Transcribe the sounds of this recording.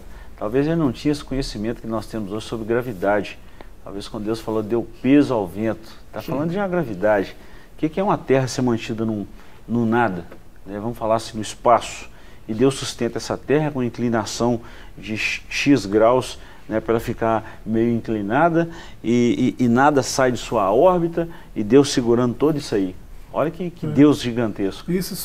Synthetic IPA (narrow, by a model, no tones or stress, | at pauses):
t̪awvezelɪnɐ̃w̃t͡ʃĩɲɐesɪ̥kõɲesimẽnt̪ʊ̥kɪnɔst̪ẽmʊzoʒɪsobɾɪɡɾavid̪ad͡ʒɪ | t̪a̰wveskɐ̃nd̪ʊd̪ewsfalod̪ewpezʊawvẽnt̪ʊ̥t̪afalɐ̃d̪ʊd͡ʒũmɐɡɾavid̪ad͡ʒɪ | kekɪɛũmɐt̪ɛɦɐseɾmɐ̃nt͡ʃid̪ɐnʊ̃ | nʊ̃nad̪ɐ | nɛvɐ̃mʊfalaɾɐsĩd̪ʊispasʊ̥ | ɪd̪ewsːust̪ẽnt̪ɐɛsɐt̪ɛɦɐkõɐĩklinasɐ̃w̃ | d͡ʒɪʃizɡɾaws | nɛpɾɛlɐfikaɾ | mejʊĩklinad̪ɐ | ɪʔːnad̪ɐsajd͡ʒɪsuɐɔɾbit̪ɐ | ɪd̪ewssɪɡuɾɐ̃nd̪ʊt̪od̪ʊisai | ɔ̰ʎɐkɪkɪd̪ewzʒiɡɐ̃nt̪eskʊs